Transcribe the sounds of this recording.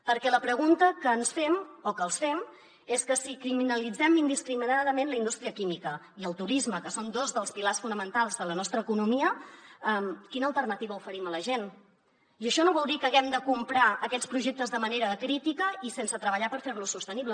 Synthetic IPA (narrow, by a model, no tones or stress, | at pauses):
pəɾkɛləpɾəɣunt̪əkəːnsfɛmokəːlˠsfɛm | eskəsikɾiminəlid͡zɛmind̪iskɾiminaðəmenləind̪ust̪ɾiəkimikə | iəlˠt̪uɾizməkəsond̪ozðəlˠspilarsfunəmənt̪alˠzðələnɔst̪ɾəːkunumiəəmkinəːlˠt̪ərnət̪iβəufəɾimələʒen | iəʃɔnoβɔlˠd̪ikəːɣɛmd̪əkumpɾaəkɛt͡spɾuʒek̚t̪əzðəməneɾəkɾit̪ikəisensət̪ɾəβəʎapəɾferlusust̪əniβlə